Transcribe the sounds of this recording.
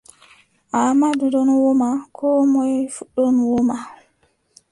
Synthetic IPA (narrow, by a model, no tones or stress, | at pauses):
ʔamadudɔnwɔmakʰɔmɔjfuɗːɔnwɔma